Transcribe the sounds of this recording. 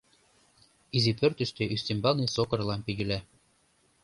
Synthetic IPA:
izipørt̪ɘ̆ʃt̪eʔyst̪imbɑlˠnisokɤ̆rlɑmpiɣɘlæ

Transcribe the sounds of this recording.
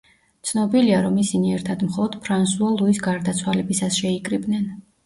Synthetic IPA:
t̪sʰnɔbiliaɾɔmisiniɛɾt̪ʰad̪mχɔlˠɔd̪̥pʰɾansualˠuisɡaɾd̪at̪sʰwalɛbisasʃɛikʼɾibnɛn

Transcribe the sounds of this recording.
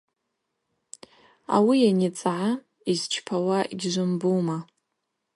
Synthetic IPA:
a̰wijanit͡sʼʕa | izt͡ʃʰpʰawaʔiɡʲʒʷʊmbuma

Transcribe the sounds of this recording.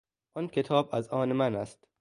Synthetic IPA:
ʔɒnkʰet̪ʰɒːbæzɒːnemænæst̪

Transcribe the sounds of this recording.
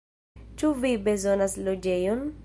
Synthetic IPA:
t͡ʃuvibe̞zo̞naslod͡ʒe̞jon

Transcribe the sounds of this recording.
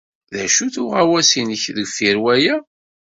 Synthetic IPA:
ðæʃuθʊʁæwæsinəçðəɡfiɾwæjæ

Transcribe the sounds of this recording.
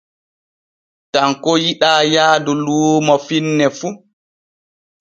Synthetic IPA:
taŋkɔjiɗaːjaːduluːmafinːɛfu

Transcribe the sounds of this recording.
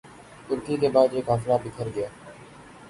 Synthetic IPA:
t̪ʊɾkiːk̪eːbaːd̪eːkɦaflaːbɪkʰəɾɡəɪjaː

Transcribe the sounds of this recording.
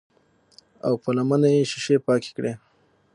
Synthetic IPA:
a̰wpəlamanajeʃɪʃepɑke̥kɽe

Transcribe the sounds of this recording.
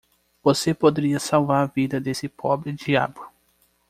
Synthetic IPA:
v̥osepod̪eɾiɐsawvaɾɐvid̪ɐd̪esɪpʰɔbɾɪd͡ʒia̰bʊ

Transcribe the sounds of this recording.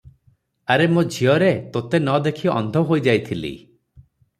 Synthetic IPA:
aɾemud͡ʒʱiɔɾet̪ot̪enɔd̪ekʰiɔ̰nd̪ʱɔɦojd͡ʒajt̪ʰilḭ

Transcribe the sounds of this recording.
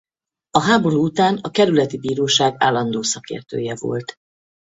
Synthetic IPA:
ɒɦaːbo̞ɾuːut̪aːnɒkɛɾylɛt̪ibiːɾoːʃaːɡaːlːɒnd̪oːsɒkḛːrt̪ø̰ːjɛvo̰lt̪

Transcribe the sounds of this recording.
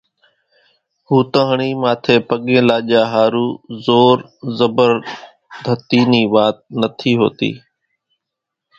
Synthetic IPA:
huːt̪əɦɳ̃iːmãːt̪ʰeːpəɠẽːlaːʄaːɦaːɾuːzoːɾzəbəɾ | d̪ʱət̪iːniːʋaːt̪̚nət̪ʰiːɦo̰ːt̪ḭː

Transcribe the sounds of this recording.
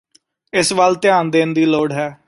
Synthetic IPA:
ɪsbəlt̪ɪjãːnd̪eːnd̪iːloːɽɦɛː

